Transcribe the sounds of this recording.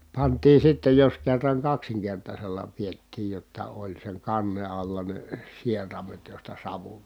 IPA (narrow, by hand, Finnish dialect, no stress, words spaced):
pɑntiː sitːe jos kerːɑŋ kɑksiŋkertɑselːɑ pietːiːj jotːɑ olʲ seŋ kɑnːe ɑlːɑ ne sierɑmet jostɑ sɑʋu